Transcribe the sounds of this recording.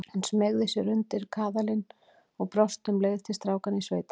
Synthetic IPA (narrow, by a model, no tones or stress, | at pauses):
ɛnsmɛɣðɪsɛɾʏnt̪ɪɾkʰaːðalɪn | ɔɣpɾɔst̪ʏmleːjð̥t̪ʰɪlst̪ɾaːwkanisveːjt̪ḁ